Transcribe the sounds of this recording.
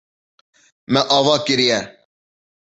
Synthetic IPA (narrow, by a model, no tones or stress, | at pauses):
mɛʔɑːvɑːkɨɾijɛ